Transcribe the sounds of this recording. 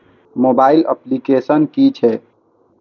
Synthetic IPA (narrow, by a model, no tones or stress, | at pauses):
moːbaːɪlə̰plikeːsənkit͡ʃʰɛː